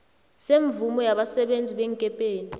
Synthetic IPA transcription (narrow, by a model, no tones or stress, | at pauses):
seɱvumɔjaɓasɛɓend͡zʱiɓɛŋkʼɛpʼeːni